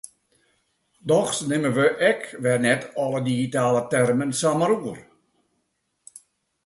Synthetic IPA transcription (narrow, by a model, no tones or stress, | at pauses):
dɔxsnɪməʋəʔɛkʋɛrnɛtʰɔlədiɣitaːlətɛrmənsaməɾuər